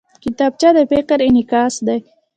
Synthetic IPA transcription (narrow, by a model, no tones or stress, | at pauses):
kit̪ɑːb̚t͡ʃad̪əfɪqəɾɪnikɑːsd̪aj